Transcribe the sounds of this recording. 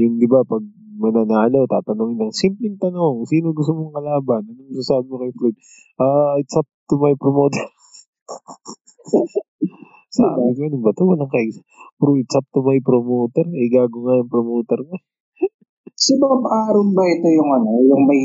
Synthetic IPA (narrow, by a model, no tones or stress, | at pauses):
jʊŋd̪ɪbapɐɡ̚mɐnɐnaːlowt̪aːt̪ɐnoŋɪnlɐŋsimplɪŋt̪ɐnooŋsiːnoɡʊst̪omoŋkɐlaːbɐnɐnʊŋɐɡsasaːbɪɲokɐjʊflod̪̚ | ʔaːɪt̪sap̚t̪ʊmɐjpɾomoːt̪ɛɾ | sa̰bɪɲnʊŋbɐt̪owɐlɐŋkɐɪɡsɐ̥ | pɾoʔɪt͡ʃap̚t̪ʊmɐjpɾomoːt̪ɛɾɛɡaːɡoŋajʊŋpɾomoːt̪ɛɾŋa | sɪbɐbʔaːɾʊnbɐʔɪt̪o̞jʊŋʔɐnojʊŋmɐj